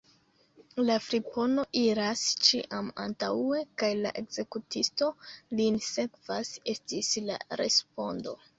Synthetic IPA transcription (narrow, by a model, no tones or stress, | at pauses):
lafɾipo̞no̞ʔiɾast͡ʃiʔama̰ntaue̞kajla̰ʔe̞ɡz̥e̞kutisto̞linse̞kv̥ase̞stisla̰ɾe̞̰spo̞ndo̞̰